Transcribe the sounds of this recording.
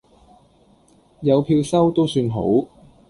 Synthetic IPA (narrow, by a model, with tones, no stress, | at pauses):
jɐ˨˧wpʰiː˧wsɐ˥wt̪o˥wsyː˧nɦo̰˨˥w